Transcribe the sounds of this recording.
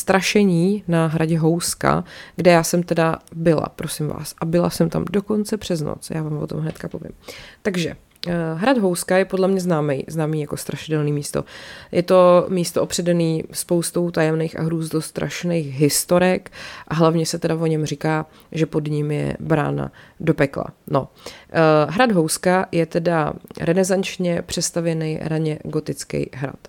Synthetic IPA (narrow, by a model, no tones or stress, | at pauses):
st̪ɾaʃɛɲiːnaɦɾaɟɛɦowska̰ɡdɛjaːsɛmt̪ɛdabɪla̰pɾo̞sɪmva̰ːsʔabɪla̰sɛmt̪a̰mdo̞ko̞nt͡sɛpr̝̥ɛzno̰t͡sjaːvaːmvot̪omɦnɛt̪kapovɪ̰mt̪aɡʒɛ̰ | ɦɾadɦo̞wskajɛpodlɛmɲɛznaːmɛjznaːmiːjako̞st̪ɾaʃɪdɛlniːmiːst̪o̞̰jʔɛt̪o̞miːst̪oʔopr̝̥ɛdɛniːspowst̪o̞wt̪ajɛmnɛjxa̰ɦɾuːzd̪ost̪ɾʔa̰ʃnɛjxɦɪst̪oɾɛkʔaɦlavɲɛsɛt̪ɛdavoɲɛmrɪkaː | ʒɛpo̞dɲɪmjɛ̰bɾa̰ːna̰do̞pɛkla̰no̞̰ | ɦɾadɦowskajɛt̪ɛdaɾɛnɛzant͡ʃɲɛpr̝̥ɛst̪avjɛnɛjɾaɲɛɡo̞t̪ɪt͡skɛ̰jɦɾa̰t̪